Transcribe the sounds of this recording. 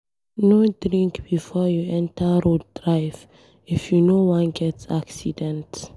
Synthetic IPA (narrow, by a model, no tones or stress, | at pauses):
nodɾĩŋkb̥ifɔjuɛ̃ntʰəɾod̚dɹajv | ifjunowãnɡɛtsa̰ksidɛ̃nt